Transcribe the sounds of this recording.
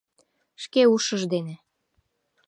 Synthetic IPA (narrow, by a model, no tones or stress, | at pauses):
ʃkeuʃəʒd̪ene